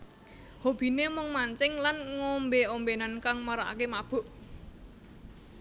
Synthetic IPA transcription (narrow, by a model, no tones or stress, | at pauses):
hob̥i̤nemʊŋmaɲt͡ʃɪŋlanŋombeombenankaŋmaɾaa̰kemab̥ʊ̤ʔ